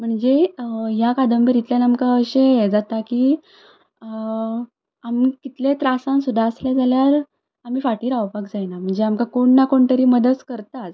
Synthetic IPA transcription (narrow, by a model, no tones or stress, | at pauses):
m̤əɳd͡zejakad̪əmbəɾit̪ljanamkaəɕed͡zat̪akiː | amkit̪let̪ɾasãnsud̪ʱaəsljad͡zaljaɾ | am̤iːfaʈiːɾawpakd͡zajnam̤əɳd͡zeamkakoɳːakoɳt̪əɾiːməd̪əskəɾt̪at